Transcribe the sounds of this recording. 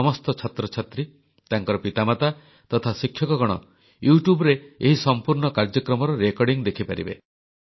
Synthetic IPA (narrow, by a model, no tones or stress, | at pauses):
ɔmɔst̪ɔt͡ʃʰɔt̪ɾɔt͡ʃʰat̪ɾi | t̪aŋkɔɾɔpit̪amat̪a | t̪ɔt̪ʰasikʰːjɔkɔɡɔɽ̃ɔ | juʈjubɔɾeeɦisɔmpuɾɳɔkaɾd͡ʒɔkɾɔmɔɾɔɾekɔɾɖiŋd̪ekʰipaɾḭbḛ